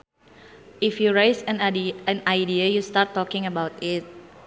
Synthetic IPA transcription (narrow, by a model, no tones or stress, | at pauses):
ifjuɹesɛ̃nɛ̃najdiəjustatːɔkɪ̃ŋəbawtɪt̚